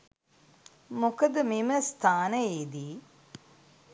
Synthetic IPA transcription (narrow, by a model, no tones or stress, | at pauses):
mokəd̪əmiməst̪ʰaːnəjeːd̪iː